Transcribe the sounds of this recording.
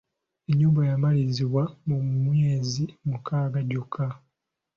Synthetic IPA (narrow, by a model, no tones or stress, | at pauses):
eɲːuːmbwajamaliziβwamumweːzimukaːɡaɟukʰːa